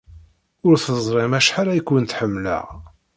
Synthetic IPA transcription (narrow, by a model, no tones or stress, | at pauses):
ʊɾθəzˤɾˤɪmæʃħaɾæjkːwənt̪ħəmːlə̰ʁ